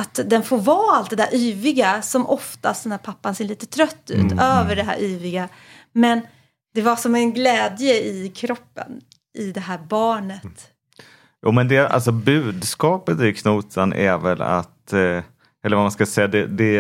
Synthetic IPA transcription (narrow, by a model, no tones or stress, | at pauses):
at̪d̪ɛnfoːɾvɑːalt̪̚d̪ɛd̪æɾʔyːvɪɡasɔmʔɔft̪ast̪ɛnæːɾpʰapːanseːɭiːt̪ə̥t̪ʰɾœt̪ːʉ̟̰ːt̪øːvəɖɛɦæ̰ːɾʔyːvɪɡa | mɛn | d̪̥ɛvaʂɔmɛnɡlɛːd̪jəɪkʰɾɔpːə̰n | ʔɪd̪ɛɦæːɾbɑːɳət̪ | jṵːmɛnd̪ɛa̰lsɔbʉ̟ːd̪skɑːpət̪ɪɾkʰnuːt̪ʰanʔɛ̰ɾvɛla̰t̪ | ʔɛlːəɾvamanskasɛjːad̪ɛd̪ɛ